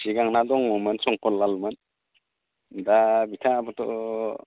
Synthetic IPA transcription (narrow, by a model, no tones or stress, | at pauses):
siɡaŋnadɔŋmɔmɯnsɔŋkɔlːalmɯn | dabitʰabɯtɔ